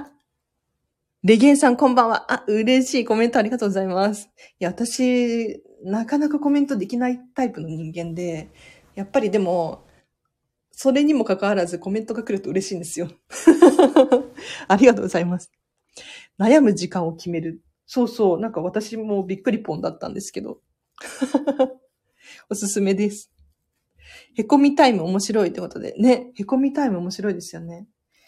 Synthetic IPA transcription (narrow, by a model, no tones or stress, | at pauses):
ɾʲeɡẽ̞ɰ̃sãŋkõ̞mbãɰ̃βa̰ʔaɯ̟ɾe̞ɕiːko̞ment̪o̞aɾʲiɡat̪oːɡo̞zaimasɨ̥ | jaβat̪aɕi | nakanakako̞mẽ̞nt̪o̞d̪e̞kʲinait̪aipɯ̟no̞ɲ̟ĩŋɡẽ̞nd̪e̞ | japːaɾʲid̪e̞mo̞ | so̞ɾe̞ɲ̟imo̞kakaβaɾazɨko̞mẽ̞nt̪o̞ɡakɯ̟ɾɯ̟t̪o̞ɯ̟ɾe̞ɕiːnd̪e̞sɨjo̞ | aɾʲiɡat̪o̞ːɡo̞zaimasɨ̥ | najamɯ̟ʑikãɰ̃o̞kʲime̞ɾɯ̟ | so̞ːso̞ːnãŋkaβat̪aɕimo̞bʲikːɯ̟ɾʲipõ̞nd̪at̪ːã̰nd̪e̞sɨ̥ke̞d̪o̞̰ | o̞sɨsɨme̞d̪e̞sɨ̥ | he̞ko̞mʲit̪aimɯ̟omo̞ɕiɾo̞it̪ːeko̞t̪o̞d̪e̞̰ne̞he̞ko̞mʲit̪aimɯ̟omo̞ɕiɾo̞id̪e̞sɨjone̞